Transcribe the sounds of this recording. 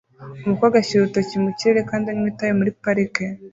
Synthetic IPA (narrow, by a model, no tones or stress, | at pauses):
omukwaːɡaciɾutocimuciɾeɾekaːndiaɲmitajemuɾipaɾike